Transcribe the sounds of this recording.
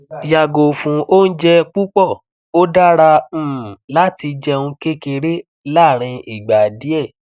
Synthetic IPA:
ja˨ɡo˨fũ˨ʔo˦n̩˦d͡ʒɛ˦k͡pu˦k͡pɔ˦˨ | o˦da˦ɾã˧˨la˦ti˧d͡ʒɛ˧ũ˧ke˦ke˧ɾe˦ | laː˦˨ɾ̃ĩ˧i˨ɡ͡ba˨di˨˦ɛ˦˨

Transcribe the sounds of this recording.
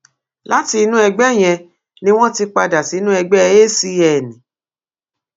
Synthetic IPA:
la˨˦ti˧˦nũ˦ɛ˧ɡ͡bɛ˦˨j̃ɛ̃˧ | nĩ˦w̃ɔ̃˦ti˧k͡pa˧da˨ti˨˦nũ˦ɛ˧ɡ͡bɛ˦˧e˦si˧ɛ˨nĩ˨

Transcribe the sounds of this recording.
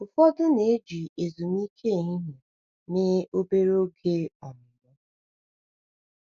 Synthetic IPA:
ʊ˨fɔ˦dʊ˦ne˨˦d͡ʒi˨e˨zu˨m˦i˦kʰe˦˨ɦi˦ɦi˨ | nɪ˦o˦be˦ɾo˦ɡe˦ɔ˨m̩˨bɔ˦

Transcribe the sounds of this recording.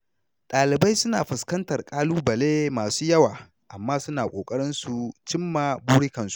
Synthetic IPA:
ɗʼaː˨lɪ˨bɐ˦jsʊ˦naː˨ɸɪ˨skɐ˦ntɐ˨rkʼaː˦luː˦bɐ˨leː˦maː˨suː˦jɐ˦waː˨ | ʔa˨mːaː˦sʊ˦naː˨kʷʼoː˨kʼɐ˦ɽɪ˦nsu˨t͡ʃɪ˦mːaː˨buː˦ɽɪ˦kɐ˨nsu̥˨˦ʔ

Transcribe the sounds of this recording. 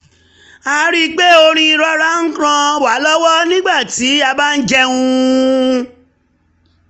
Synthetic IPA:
a˧ɾi˦k͡pe˦o˧ɾ̃ĩ˧ɾɔ˧˦ɾa˨˦ŋ̩˦kɾã˧wa˨˦lɔ˦wɔ˦nĩ˦ɡ͡ba˦˨ti˨˦a˧ba˦n̩˦d͡ʒɛ˧ũ˧

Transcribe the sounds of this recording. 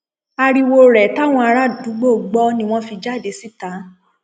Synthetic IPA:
a˧ɾi˧wo˧ɾɛ˨ta˦w̃ɔ̃˧a˧ɾa˦˨du˨˦ɡ͡bo˦˨ɡ͡bɔ˦nĩ˧w̃ɔ̃˦fi˧d͡ʒa˦˨de˧˦si˦tã˨˦

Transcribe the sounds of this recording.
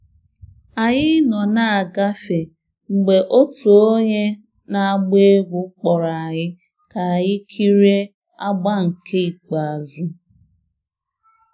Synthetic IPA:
a˨ɲɪ˦nɔ˨na˨a˨ɡa˦fe˨ | ŋ͡m̩˨ɡ͡be˨ʔo˦tu˨o˦ɲe˦ | na˨a˨ɡ͡be˦ɡʷu˦k͡pɔ˨ɾa˨a˨ɲɪ˦ | ka˨a˨ɲɪ˦kʰi˦ɾe˦ | a˦ɡ͡ba˦ŋ̩˨kʰe˦i˨k͡pa˨a˨zʊ˦

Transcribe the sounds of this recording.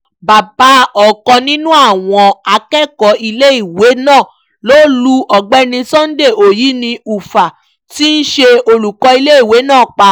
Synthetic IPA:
ba˨ba˨˦ɔ˨kɔ̃˧nĩ˦nũ˦a˦˨w̃ɔ̃˧a˧kɛ˦˨kɔ˨˧i˧le˦i˦˨we˨˦nãː˦˨ | lo˦lu˧˦ʔɔ˨ɡ͡bɛ˦nĩ˧sɔ̃˦n̩˦de˦˨o˨ji˨˦nĩ˧u˨fa˨ | ti˦n̩˦ʃe˧o˧lu˨kɔ˧i˧le˦i˦˨we˨˦nãː˦˨k͡pa˧

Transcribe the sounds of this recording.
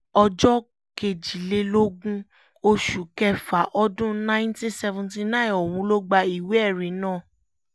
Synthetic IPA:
ɔ˧d͡ʒɔ˦ | ke˨d͡ʒi˨le˧lo˦ɡũ˦ | o˧ʃu˨kɛ˧˦fa˨ʔɔ˧dũ˦nã˦j̃ntĩ˦sɛ˧vũ˧nti˧nã˦˨ɔ˨wũ˨˧˦lo˦ɡ͡ba˧i˨we˨˦ɛ˦˨ɾĩ˨˦nãː˦˨

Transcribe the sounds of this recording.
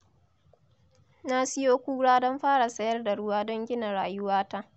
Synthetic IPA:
na˦sɪ˦joː˦kʷuː˦ɽaː˦dɔ˦mɸaː˦ɽa˨sɐ˦jɐ˦rda˨ɽʊ˦waː˦dɔ˦ŋɡʲɪ˦na˨ɽaː˨jʊ˦waː˦ta˦ʔ

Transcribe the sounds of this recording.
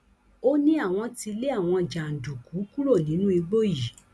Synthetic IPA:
o˦nĩ˦a˦˨w̃ɔ̃˧ti˧le˦a˦˨w̃ɔ̃˧d͡ʒa˨n̩˨du˨ku˨˦ku˦ɾo˦˨nĩ˨˦nũ˦i˧ɡ͡bo˦ji˨

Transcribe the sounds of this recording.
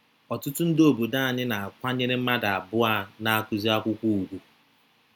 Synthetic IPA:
ɔ˨tʊ˦tʊ˦n̩˦do˦˨bo˨da˦a˨ɲɪ˦na˨a˨kʷa˦ɲe˦ɾe˦m̩˦ma˦da˨a˨bʊ˦a˦na˨a˦kʊ˦zi˦a˦kʷʊ˦kʷu˦u˨ɡʷu˦

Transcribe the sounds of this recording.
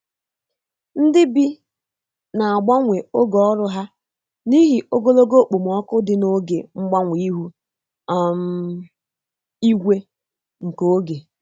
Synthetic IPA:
n̩˦dɪ˦bi˦ | na˨a˨ɡ͡ba˦ŋʷe˨o˦ɡɔ˨˦ɔ˦ɾʊ˦ɦa˦ | ni˦ɦi˦o˦ɡo˦lo˦ɡo˦˨k͡po˨m̩˨ɔ˦kʊ˦dɪ˦no˦ɡe˨ŋ͡m̩˦ɡ͡ba˦ŋʷe˨i˦ɦu˦ | a˦m̩˦ | i˦ɡʷe˦ | ŋ̩˨ko˦ɡe˨

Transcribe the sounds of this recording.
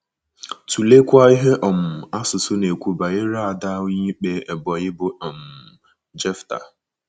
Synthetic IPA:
tu˨le˦kʷa˦i˦ɦe˦ʔɔ˨m̩˨a˦sʊ˨sʊ˦ne˨kʷu˦ba˨ɪ˦ɾa˦a˨da˦wɲi˦k͡pe˦e˨bɔ˨ɣɪ˦bʊ˦ɔ˨m̩˨ | d͡ʒɛ˦fta̰˨

